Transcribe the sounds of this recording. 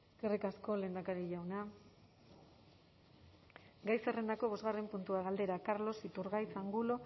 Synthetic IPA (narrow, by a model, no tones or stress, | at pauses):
ɡerikasko̞le̞ːnd̪akaɾiʎawna | ɡajsere̞nd̪ako̞β̞o̞zɣarempunt̪uaɣald̪e̞ɾakaɾlo̞sit̪uɾɣajt͡saŋɡulo̞